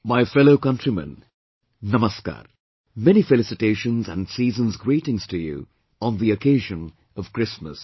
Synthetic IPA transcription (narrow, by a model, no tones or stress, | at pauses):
maɪfɛloʊkʌ̃ntɹ̥imə̰̃nː | ʌməska̰ːɾ | mɛñifɨlɪsɨteɪʃə̃nzæ̃nsiːzə̃nzɡɹiːɾɪ̃ŋz̥tʰɨjṵ | ə̃nðiɨkʰeɪʒə̃n | ʌv̥kɹ̥ɪsmə̰s